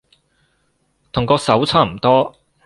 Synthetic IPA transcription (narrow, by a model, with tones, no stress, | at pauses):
t̪ʰʊ˨˩ŋkɔː˧sɐ˨˥wt͡sʰaː˥m̩˨˩t̪ɔː˥